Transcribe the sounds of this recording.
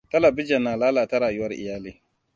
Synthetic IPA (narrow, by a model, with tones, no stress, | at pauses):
tɐ˦lɐ˨bɪ˦d͡ʒɛ˨nːaː˨laː˦laː˨tɐ˦ɾaː˨jʊ˦wɐ˦rʔɪ̰˨jaː˦liː˦